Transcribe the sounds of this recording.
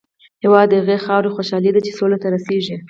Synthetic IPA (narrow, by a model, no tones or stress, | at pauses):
hɪwɑd̪ːəhaɣexɑɾxoʃɑlid̪at͡ʃesolat̪aɾaseʒi